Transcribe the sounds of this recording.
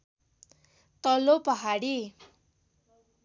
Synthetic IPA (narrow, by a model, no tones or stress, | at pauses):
t̪ʌlopʌɦaɽi